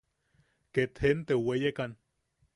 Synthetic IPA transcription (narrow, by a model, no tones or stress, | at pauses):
ket̪hent̪ewejekan